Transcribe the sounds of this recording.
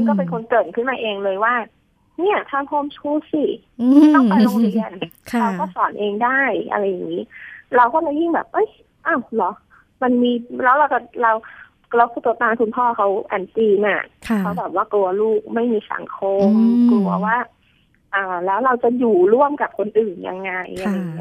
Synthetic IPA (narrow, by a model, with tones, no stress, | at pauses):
a˧nkɔː˥˩pe˧nkʰo˧nkɤː˨˩n̚kʰɯ˥˩nmaː˧ʔeː˧ŋlɤː˧jwaː˥˩ | ni˦˥˩ɐt̪ʰaː˥˩mpʰɔː˥˩˨msʰuː˧˥˩si˧˩ | mi˧˥˩t̪ɔ˥˩pa˧nɔː˧˦lʰi˧˩ənkʰɾa˧wkɔː˥˩sɔː˩˦nʔeː˧ŋdaː˥˩jʔa̰˧ɾa˧jːa˨˩ŋiː˦˥la˧wkɔː˥˩t͡ɕa˧˩ji˦˥˩ŋbɛ̰ː˨˩p̚ʔɤ˦˥˩j | ʔa˧˩wlɔ˨˦ | ma˧nmiː˧lɛː˦˥wɾa˧wt͡ɕa˨˩ɾa˧w | la˧wkʰuː˧˩t̪u˧t̪aː˧ŋkʰuː˧npʰɔː˥˩kʰa˦˥wʔa̰˧˩nt̪iː˧na̰˧˩˧kʰa˦˥wbɛː˨˩p̚waː˥˩klu˧ɐluː˥˩k̚ma˥˩jmiː˧sa̰˨˩˦ŋkʰo˧mklu˧˩ɐwaː˥˩ | ʔaː˨˩lɛː˦˥wɾa˧wt͡ɕa˨˩juː˨˩ɾu˥˩əmka˨˩p̚kʰo˧nʔɯː˨˩nja̰˧ŋːa˧jːa˧ŋːa˧i˦˥